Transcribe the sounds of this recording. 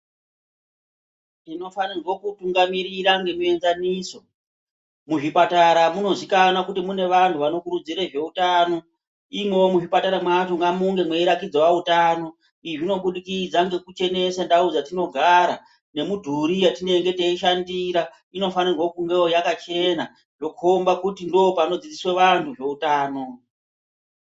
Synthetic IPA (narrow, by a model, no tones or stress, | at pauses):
ino̞fanirwo̞kutuŋɡamiɾiɾaŋɡe̞muenzaniso̞ | muʐipataɾamuno̞zikanakutimune̞ʋantʰuʋano̞kuɾud͡ziɾeʐe̞utano̞ | imwe̞womuʐipataɾamwatoŋɡamuŋɡe̞mwe̞iɾakid͡zawautano̞ | iʐino̞ɓuɗikid͡zaŋɡe̞kut͡ʃe̞ne̞sandaud͡zatino̞ɡʱaɾa | ne̞mudʱuɾijatine̞ŋɡe̞teiʃandiɾa | ino̞fanirwokuŋɡe̞ojakat͡ʃe̞na | ʐ̥o̞kuombakutindoːpano̞d͡zid͡zisweʋantʰuʐe̞utaːno̞